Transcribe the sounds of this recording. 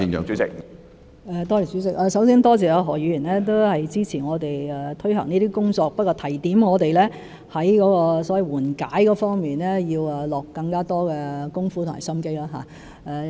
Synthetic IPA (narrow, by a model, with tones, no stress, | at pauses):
ɪ˧ŋjœ̰ː˨ŋt͡sy˨˥t͡sɪ̰˥k̚ | ɛ˨˧t̪ɔː˥li˨˩syː˨˥t͡sɪ˥k̚ʔɛː˧sɐ˨˥wsiː˥nt̪ɔː˥t͡sɛː˨˩ja˨˧ɦɔː˨˩jy˨˧jyː˨˩nlɛː˥t̪o˥whɐ˨jt͡siː˥t͡sʰiː˨˩ŋɔː˨˧t̪e˨jɛː˨t̪ʰɵ˥ɥhɐ̰˨˩ŋniː˥t̪iː˥kʊ˥ŋt͡sɔː˧k̚pɐ˥kːɔː˧t̪ʰɐ˨˩jt̪iː˨˥mŋɔː˨˧t̪e˨jlɛː˥ | hɐ˨˥jkɔː˨˥kɔː˧sɔː˨˥wɐ˨˧jwuː˨˩nkaː˨˥jkɔː˨˧˥fɔː˥ŋmiː˨nlɛː˥jiː˧wɛː˨lɔː˨˩kːɐ˧ŋkaː˥t̪ɔː˥kɛː˧kʊ˥ŋfu˧˥t̪ʰʊ˨˩ŋma̰˨˩jsɐ˥mke˥jlaː˥ɦa̰˨ | ɛː˨˧